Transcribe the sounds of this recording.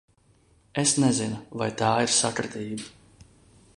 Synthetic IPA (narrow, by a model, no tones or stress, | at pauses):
esnɛzinuvajt̪aːiɾsakɾɨt̪iːba